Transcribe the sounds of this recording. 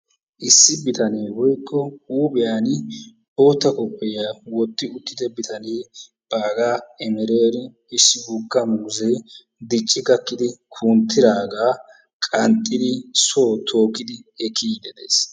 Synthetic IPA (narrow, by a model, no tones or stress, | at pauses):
ʔɪsːɪbɪt̪ɐneːwɔjkːɔuːbɛjaːnɪ | ʔo̞ːt̪ːɐkɔpʼːɛjawɔt̪ːɪʊt̪ːɪd̪ɛbɪt̪ɐneː | b̥aːɡaːɛmɛɾeːɾɪ | ɪsːɪɡukːɐmuːzeː | d̪ɪt͡ʃʼːɪɡɐkːɪd̪ɪkʰuːnt̪ːɪd̪aːɡaː | kʼɐnt̪ʼːɪd̪ɪsoːt̪ʰo̞ːkːɪd̪ɪɛkʰːiːd̪ɛd̪ḛːs